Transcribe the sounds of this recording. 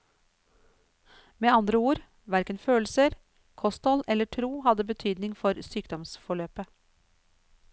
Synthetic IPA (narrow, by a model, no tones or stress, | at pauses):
meːɑnd̪ɾəuːɾ | ʋæɾkənføːlsəɾ | kʰɔst̪ɔlɛlːəʈʰɾuːhɑd̪əbət̪ʰyːd̪nɪŋfɔɾsyːkd̪ɔmsfɔɭøːpə